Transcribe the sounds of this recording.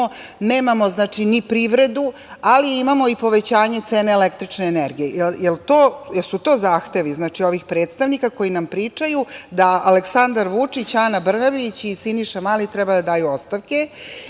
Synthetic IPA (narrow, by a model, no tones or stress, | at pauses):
o | ne̞ːmamo̞znaːt͡ʂinipɾiʋɾe̞d̪u | aliimamo̞ipo̞ʋe̞t͡ɕaːɲe̞t̪se̞ːne̞ːlekt̪ɾit͡ʂneːneɾɡijejeljelt̪oːjelsut̪o̞ːzaːxt̪eʋiznaːt͡ʂio̞ʋixpɾe̞ːt̪st̪aʋnikako̞jinampɾit͡ʂajud̪aaleksand̪aɾʋut͡ʂit͡ɕaːnabr̩naʋit͡ɕisiniʃamaːlit̪ɾɛbad̪ad̪aːjuost̪aʋke̞